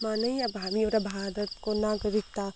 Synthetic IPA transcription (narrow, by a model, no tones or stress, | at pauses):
maːnɐjjabʱaːmioɾabʱaːd̪ət̪konaːɡəɾɪk̚t̪a